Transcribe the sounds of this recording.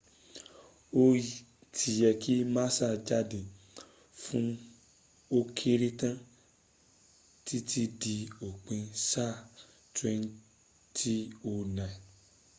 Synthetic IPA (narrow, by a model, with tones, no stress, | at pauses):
o˦ | tʰi˨jɛ˧ki˦mã˦sa˦˨d͡ʒa˦de˨ | fũ˦ | o˦kʰe˦ɾe˦tã˦ | ti˦tʰi˦di˧o˨k͡pẽ˧sa˦˨ | twɛ̃˧˦n˦ | tʰi˦o˧nɛ̃˨